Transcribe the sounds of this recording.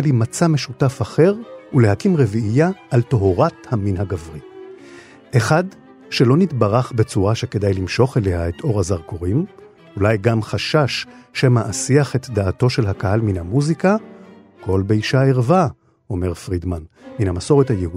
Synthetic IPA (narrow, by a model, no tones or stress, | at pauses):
limat͡same̞ʃutafaχe̞ʁule̞ɦakimʁeviʔːjaʔːltoɦoʁathaminhaɡavʁi | ʔeχad | ʃe̞lo̞nitbaʁaχbe̞t͡suʁaʃeke̞dajlimʃo̞χele̞haetʰʔo̞ʁhazaʁkoʁim | ulajɡamχaʃaʃːemaʔasiaχe̞tdaːto̞ʃe̞lakaɦalminhamuzika | kʰo̞lbeiʃaeʁva | ʔo̞me̞ʁfʁidmanminhamaso̞ʁethajeu